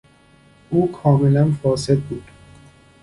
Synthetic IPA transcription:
ʔuːkʰɒːmelænfɒːse̞d̪̚buːd̪̥

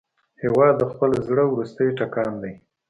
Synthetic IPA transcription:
hewɑd̪ːəxpəlazɽəwɾust̪əjʈakɑnd̪aj

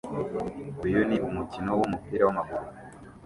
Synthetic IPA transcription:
ujoniʔumucinowumupiːɾawamaɡuɾ

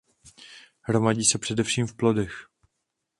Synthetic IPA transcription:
hɾo̞maɟiːsɛpr̝̥ɛdɛfʃiːmfplo̞dɛx

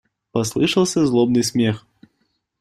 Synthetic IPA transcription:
pɐslˠɨʂɐlˠsʲɐzlˠɔbnɨsʲmʲɛx

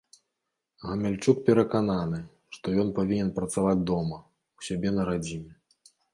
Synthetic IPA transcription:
ɣɐmʲalʲt͡ʂuk̚pʲɛɾɐkananɨ | ʂt̪ɔjɔnpavʲinʲɛnpɾɐt̪savad͡zʲd̪ɔmɐ | wsʲabʲɛnɐɾad͡zʲinʲɛ

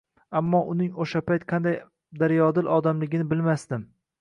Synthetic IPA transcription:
amːɒʔʊnɪŋoʃapʰajt̪qʰɑnd̪aj | d̪aɾjɒd̪ɪlʔɒd̪amlɪɡʲɪnɪbɪlmast̪ɪm

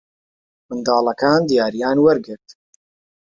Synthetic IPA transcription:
mɨnd̪ɑːlˠɐkaːnd̪ijaːɾijaːnwɐɾɡɨɾt̪

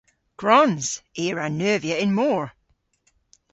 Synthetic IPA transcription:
ɡ̥ɹɔnz̥eɹanɜviəɪ̃nmɔɹ

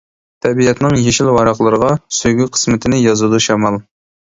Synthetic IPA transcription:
t̪ʰɛbijɛt̪nɪŋjeʃilwɑɾɑqlˠəɾəʁɑsyjɡʲyqʰə̥smɪt̪ʰɪnɪjɑzud̪uʃɑmɑlˠ

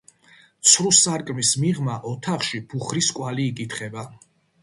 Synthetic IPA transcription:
t̪sʰɾusaɾkʼmismiʁmaʔɔt̪ʰaχʃib̥uχɾiskʼwaliːkʼit̪ʰχɛba

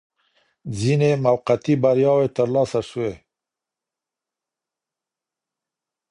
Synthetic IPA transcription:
zinemawqat̪ibaɾjɑwet̪əɾlɑsaʂuwe

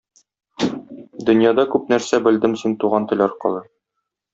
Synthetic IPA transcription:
d̪ɵ̆njɑd̪ɑkʉp̚næɾsæbɘ̆ld̪ɘmsint̪uʁɑnt̪ɤ̆lʲɒɾqɤ̰̆lˠɤ

